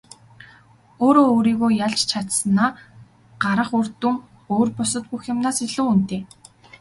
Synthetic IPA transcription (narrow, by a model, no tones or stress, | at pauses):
oːɾoːɾiːɣoːjaɮt͡ɕt͡ɕʰat̪sə̆naː | ɢ̥aɾə̆χor̥t̪uŋ | oːrpʊsə̆t̪̚puxjɪ̆mnaːsiɮŭːunt̪eː